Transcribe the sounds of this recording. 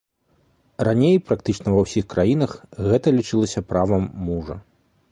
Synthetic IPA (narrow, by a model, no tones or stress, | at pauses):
ranʲejpɾakt̪ɨt͡ʂnɐvɐwsʲixkɾajinɐxɣɛt̪ɐlʲit͡ʂɨlˠɐsʲɐpɾavɐmːuʐɐ̰